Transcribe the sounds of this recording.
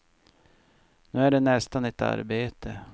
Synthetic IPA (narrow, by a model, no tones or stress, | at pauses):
nʉ̟ːæɖɛnɛst̪anɛt̪a̰ɾbeːt̪ʰə